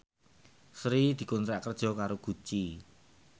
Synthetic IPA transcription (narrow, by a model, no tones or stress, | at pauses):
sɾid̪̥i̤kunt̪ɾaʔkərd̥ʒ̥ɔ̤kaɾoɡ̥ṳt͡ʃi